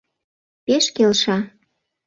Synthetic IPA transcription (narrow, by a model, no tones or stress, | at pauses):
peʃkelʃɑ